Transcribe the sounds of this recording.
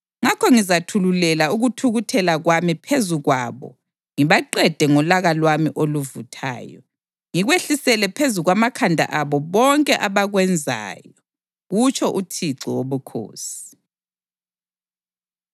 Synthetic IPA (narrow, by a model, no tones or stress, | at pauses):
ŋakʰɔŋizatʰululɛlauɣutʰuɣutʰɛlaɣwamipʰezuɣwaβɔ̰ | ŋiβaǃɛd̥ʱɛŋɔlaɣalwamiʔoluvutʰa̰ːjɔ̰ | ŋiɣweɬisɛlɛpʰezuɣwamakʰandʱa̰ʔaβɔβɔŋkʼɛʔaβaɣwɛnd͡zʱa̰ːjɔ | ɣut͡ʃʰɔʔutʰiǀɔwoβukʰo̰ːsi̥